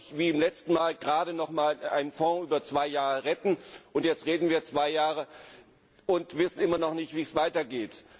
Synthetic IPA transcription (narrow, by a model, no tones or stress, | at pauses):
viːɪmlɛt͡stn̩maːlɡʁaːɾənɔχmaːlʔa̰ɪnənfɔ̃ʔyːbɐt͡sv̥aɪjaːʁəʁɛtn̩ʔʊntjɛt͡stʁeːdn̩viːɐt͡sv̥aɪjaːʁə | ʊntvɪsn̩ɪmɐnɔχnɪçtv̥iːsv̥aɪtɐɡeːt